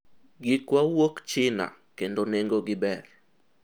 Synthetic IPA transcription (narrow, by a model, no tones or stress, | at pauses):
ɡɪkwawokt͡ʃɪna̰kendoneŋɡoɡɪbɛr